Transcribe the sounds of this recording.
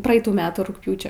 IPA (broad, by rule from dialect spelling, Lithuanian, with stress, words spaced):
ˈprɐɛɪtuː ˈmʲæːtuː rʊkˈpʲjuːt͡ʃʲoː